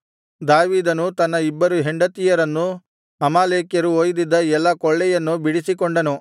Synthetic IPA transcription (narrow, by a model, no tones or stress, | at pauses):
d̪aːʋiːd̪ɐnut̪ɐnːɐibːɐɾuɦeɳɖɐt̪ijɐɾɐnːu | ɐmaːleːkjɐɾuoːjd̪id̪ːɐɛlːɐkɔɭːɛjɐnːubiɽisikɔɳɖɐnu